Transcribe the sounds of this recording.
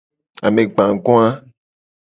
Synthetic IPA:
a̰˨mẽ˨ɡ͡bã˨ŋ˨ɡɔ̃˦a˦

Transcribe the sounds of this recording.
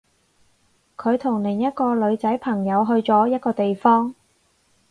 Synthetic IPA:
kʰɵ˨˧ɥt̪ʰʊ˨˩ŋlɪ˨˩jɐ˥t̚kɔː˧lɵ˨˧ɥt͡sɐ˨˥jpʰɐ˨˩ŋjɐ˨˧wɦɵ˧ɥt͡sɔː˨˥jɐ˥t̚kɔː˧t̪e˨jfɔː˥ŋ

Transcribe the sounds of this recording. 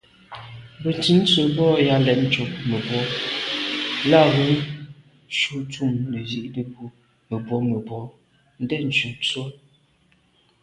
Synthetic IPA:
bə˨n˨ti˨˦n̩˦t͡sə˨bɔ˦ja˦lɛ˨tn̩˦t͡ʃo˨pmə˨bwɔ˨˦ | la˦ɣə˨˦n | ʃu˦tu˦˨mnə˨zi˦ʔdə˨bu˦ | mə˨bwɔ˨˦mə˨bwɔ˨˦ | n̩˦dɛ˦n̩˨t͡ʃu˨n˨t͡so˦

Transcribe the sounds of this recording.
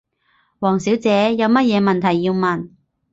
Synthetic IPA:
wɔː˨˩ŋsiː˨˥wt͡sɛː˨˥jɐ˨˧wmɐ˥t̚jɛː˨˧mɐ˨nt̪ʰɐ˨˩jːiː˧wmɐ˨n

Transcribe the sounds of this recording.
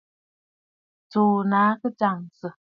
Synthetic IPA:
t͡soː˨na˨˦kɨ˦t͡ʃa˨ŋsə˨

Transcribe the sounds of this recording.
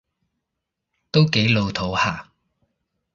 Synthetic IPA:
t̪o˥wke˨˥jlo˧wt̪ʰo˨˥whaː˨˩

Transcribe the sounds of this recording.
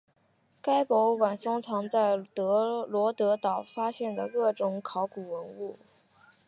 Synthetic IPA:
ka˥ɪpɔ˧˥ʊwa˨˩nsʊ˥ŋt͡sʰɑ˧˥ŋt͡sa˥˩ɪt̪ɤ˧˥lwɔ˧˥t̪ɤ˧˥t̪ɑ˨˩ʊfa˥ɕjɛ˥˩nd̪ə˩kɤ˥˩ʈ͡ʂʊ˨˧˥ŋkʰɑ˧˥ʊku˨˩wə˧˥nu˥˩

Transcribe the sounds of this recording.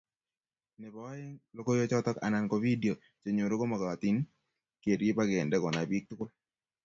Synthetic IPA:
nɛ˨bɔ˨wa˦jɛ˦ŋlo˦ko˦jo˦t͡ʃɔ˦t̪ɔ˦ka̰˨na˨nko˨vi˦di˨o˨ | t͡ʃe˨ɲo˨ɾo˦ko˦mɔ˨ɡa˨a˨t̪i˦n | ke˨ɾje˦pa˦ɡɪ˨ɛ˨ndɛ˦kɔ˨na˨bi˦k̚tko˦

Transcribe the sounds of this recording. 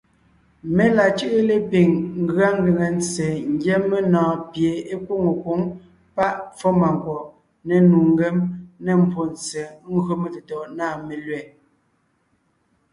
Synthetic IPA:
me˦la˨t͡ʃɯ˦ʔe˦le˦pi˨ŋŋ̩˦ɡɰa˦ŋ˦ɡe˨ŋe˨n˦t͡se˨ŋ̩˦ɡjɛ˦me˦nɔ̃ː˨pje˨e˦kwo˦˨ŋo˨ko˨˦ŋ | pa˦ʔfɔ˦ma˨ŋ˨kwɔ˨ʔ | nɛ˨nu˨ŋ˦ɡe˦mnɛ˨m̩˨pʰo˨nt͡se˨ŋ̩˦ɡo˦me˨te˨tɔ˨ʔnaː˦˨me˨lɥɛ˨

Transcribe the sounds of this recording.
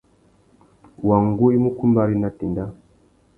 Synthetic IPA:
wa˨ŋɡu˦i˦mu˦ku˦mba˦ɾi˦na˨ti˨nda˦

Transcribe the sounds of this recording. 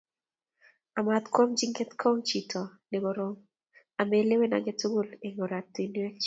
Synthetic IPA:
a˨ma˨t̪kwo˦md͡ʒi˦ŋɡe˦t̪kʰɔ˦ŋt͡ʃi˨tʰɔ˨nɪ˨bo˨ɾo˦m | a˨me˦le˦we˦na̰˨ɡe˦tu˦ɡu˦le˨ŋo˨ɾa˨tːi˨n˦ɛ˦k̚t͡ʃ

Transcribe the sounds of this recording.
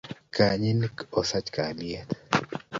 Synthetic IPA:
ka˨ɲi˦nkɔ˨sa˦t͡ʃka˨lɪɛ˦t̪

